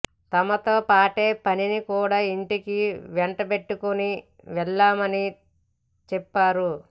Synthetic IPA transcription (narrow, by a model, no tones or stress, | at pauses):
t̪ɐmɐt̪o̞ːpaːʈe̞ːpɐninikuːɽaːiɳʈikiʋɛɳʈɐpe̞ʈːukuni | ʋɛɭːaːmɐni | t͡ʃɛpːaːɾu